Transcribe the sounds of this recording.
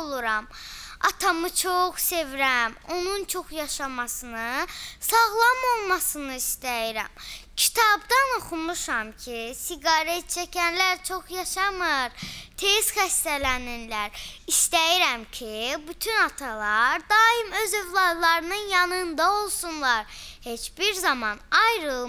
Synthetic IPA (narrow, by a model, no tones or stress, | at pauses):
lˠuɾɑmɑt̪ʰɑmɯt͡ʃʰoχse̞vɾæmo̞nunt͡ʃʰo̞χjɑʃɑmɑsɯnɯsɑɣlˠɑmo̞lˠmɑsɯnɯist̪æjiɾæ̰mcʰi̥t̪ʰɑbd̪ɑno̞χumuʃɑmcʰisiɡɑɾet̪̚t͡ʃʰæcʰænlæɾt͡ʃʰo̞χjɑʃɑmɯɾt̪ʰezxæst̪ælæninlæɾist̪æjiɾæmcʰibyt̪ʰynɑt̪ʰɑlˠɑɾd̪ɑːimø̞ze̞vlˠɑd̪lˠɑɾɯnɯnjɑnɯnd̪ɑo̞lˠsunlˠɑɾhe̞t͡ʃbiɾzɑmɑnɑjɾɯlˠ